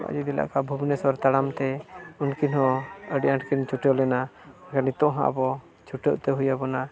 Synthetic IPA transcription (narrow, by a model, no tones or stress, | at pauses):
a̰ʔd͡ʒud̪ila̰ʔkabʱubnɛswɔɾt̪aɽamt̪ɛunkinɦɔ̃əɖiʔãʈkint͡ʃʰuʈjɔlɛnaakanit̪ɔ̃ʔɦã̰ʔbɔ | t͡ʃʰuʈɔʔt̪ɛɦujabɔna